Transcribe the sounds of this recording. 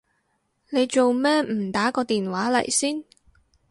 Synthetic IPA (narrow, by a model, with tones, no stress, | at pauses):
ne˨˧jt͡ʃo˨wmɛː˥mm̩˨˩t̪aː˨˥kɔː˧t̪iː˨nwaː˨˥lɐ̰˨˩jsiː˥n